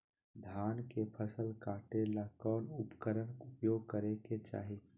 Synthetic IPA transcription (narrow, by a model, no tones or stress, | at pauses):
d̪ʱjaːnkepʰəsəlkaːʈelakɔːnʊpkəɾənʊpjoːɡ̚kəɾeket͡ʃa̰ːɦi